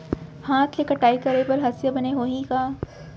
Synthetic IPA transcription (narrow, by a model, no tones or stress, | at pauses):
hãːt̪ʰlekɐʈaːikɐɾepɐɾɦɐsjabɐneɦoːɦĩkaː